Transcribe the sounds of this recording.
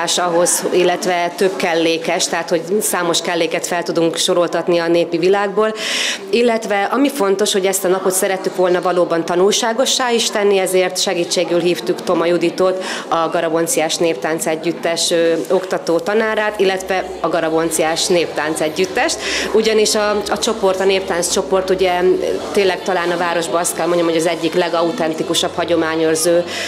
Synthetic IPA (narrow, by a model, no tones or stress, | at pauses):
aʃɒɦo̞zilːɛt̪ʋɛt̪ø̞bkɛlːeːkɛʃt̪ɛɦat̪ho̞ɟsaːmo̞ʃkɛlːeːkɛt̪fɛlt̪ud̪uŋkʃo̞ɾo̞lt̪ɒt̪niɒneːpivilaːɡ̚boːl | ilːɛt̪ʋɛʔɒmifo̞n̪t̪o̞ʃho̞ɟɛst̪ɒnɒpo̞t̪sɛɾɛt̪ːykʋo̞lnɒvɒloːbɒnt̪ɒnulʃaːɡo̞ʃːaːiʃt̪ɛnːiɛzeːrt̪ʃɛɡiːt͡ʃːeːɡylɦiːft̪ukt̪o̞mɒjud̪it̪ot̪ɒɡɒɾɒbo̞nt̪sijaːʃneːpt̪aːnt̪sɛɟːyt̪ːɛʃøːo̞kt̪ɒt̪oːt̪ɒnaːɾaːt̪ilːɛt̪vɛ | ɒɡɒɾɒbo̞nt̪sijaːʃneːp̚t̪aːnt̪sɛɟːyt̪ːɛʃt̪uɟɒniʃɒɒt͡ʃo̞po̞rt̪ɒneːp̚t̪aːnst͡ʃo̞po̞rt̪uɟɛt̪eːnlːɛɡ̚t̪ɒlaːnɒvaːɾo̞ʒbɒɒst̪̚kɛlmoɲɟomhɦoɒzɛɟːiklɛɡɒut̪ɛnt̪ikuʃɒphɒɟo̞maːɲørzøː